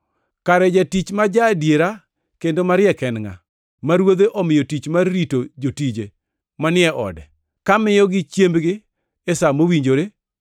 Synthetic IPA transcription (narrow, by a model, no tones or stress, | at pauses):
kaɾɛd͡ʒatit͡ʃmad͡ʒadjeɾa | kendomaɾɪjɛkɛnŋa̰ | maɾwod̪eʔɔmɪjotit͡ʃmarːitod͡ʒotid͡ʒe | manɪɛʔɔ̰dɛ | kamɪjɔɡɪt͡ʃjembɡɪ | esamowiɲd͡ʒoɾe